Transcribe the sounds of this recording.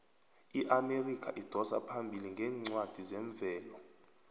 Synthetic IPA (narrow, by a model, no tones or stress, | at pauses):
iʔamerikʰaʔid̥ʱɔsa̰pʰambʱiliŋɡʱɛːŋ͡ǀwad̥ʱizɛɱb̪vʱɛːlɔ